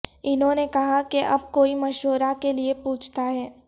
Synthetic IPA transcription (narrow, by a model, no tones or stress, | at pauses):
ɪnɦõːnekɐɦakeʔɐb̚koːimɐʃoːɾakeliepuːt͡ʃʰt̪aɦɛː